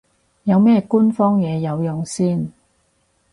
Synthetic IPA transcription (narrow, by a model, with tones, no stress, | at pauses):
jɐ˨˧wmɛː˥kuː˥nfɔː˥ŋjɛː˨˧jɐ˨˧wjʊ˨ŋsiː˥˩n